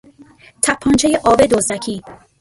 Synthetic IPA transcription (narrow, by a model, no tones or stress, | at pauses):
t̪ʰæpʰːɒːnt͡ʃʰejeʔɒːbed̪ozd̪æcʰiː